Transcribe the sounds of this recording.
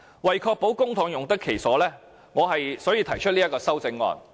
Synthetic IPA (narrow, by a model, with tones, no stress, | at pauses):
wɐ˨jkʰɔː˧k̚po˨˥wkʊ˥ŋt̪ʰʊ˨˥ŋjʊ˨ŋt̪ɐ˥kʰe˨˩jsɔː˨˥lɛː˥ | ŋɔː˨˧ɦɐ˨jsɔː˨˥jiː˧t̪ʰɐ˨˩jt͡ʃʰɵ˥t̚liː˥ɐ˥tkːɔː˧sɐ˥wt͡sɪ˧ŋːɔ̰ː˨n